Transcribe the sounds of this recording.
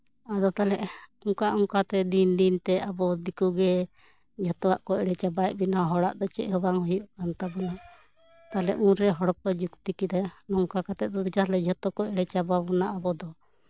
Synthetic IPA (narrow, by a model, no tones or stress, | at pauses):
ad̪ɔt̪alɛʔɔŋkaʔɔŋkat̪ɛd̪ind̪int̪ɛabɔd̪ikuɡɛ | d͡ʒɔt̪ɔwaʔkɔɛɽɛt͡ʃabaɛʔbinaɦɔɽa̰ʔd̪ɔt͡ʃɛʔɦɔbaŋhɔjuʔkant̪abɔna | t̪alɛ̰ʔũɾɛɦɔɽkɔd͡ʒukt̪ikid̪anɔŋkakat̪ɛʔ̪̚ˀd̪ɔd̪d͡ʒalɛd͡ʒʱɔt̪ɔkɔɛɽɛt͡ʃababɔnaabɔd̪ɔ